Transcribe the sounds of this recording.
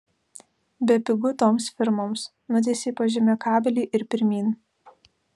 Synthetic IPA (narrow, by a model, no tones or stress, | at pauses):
bʲɛpʲɪɡʊt̪oːmsfʲɪɾmoːms | nʊt̪ʲɛːsʲeːpɐʒʲɪmʲekɑːbʲɛlʲiːʔɪɾpʲɪɾʲmʲiːn